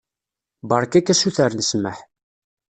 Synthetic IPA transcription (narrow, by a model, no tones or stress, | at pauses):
bɑɾˤkækːæsuθəɾnəsməħ